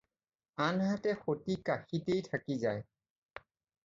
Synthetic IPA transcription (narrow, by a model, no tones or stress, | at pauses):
anhatɛxotikaxitejtʰakizaj